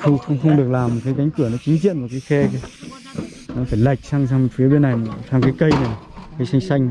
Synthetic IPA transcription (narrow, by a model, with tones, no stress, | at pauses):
xə˧wŋ͡mxə˧wŋ͡mxə˧wŋ͡mɗɨ˨˩ək̚laː˨˩m˨˩t̚kaː˨˦ka˨˦ŋ̟kɨ˧˩ənɔ˨˦t͡ɕi˨˦ŋ̟ḭ˧˨ənm˨˩t̚kaː˨˦jxɛ˧ka˨˧˦ | nɔ˨˦faː˧˩jla˨˩jk̟̚saː˧ŋs̬aː˧ŋ̚˨˩fi˨˦əɓe˧nʔa˨˩jsaː˧ŋkaː˨˦jkə˧jna˨˩ | kaː˨˦jsa˧jŋ̟sa˧jŋ̟˨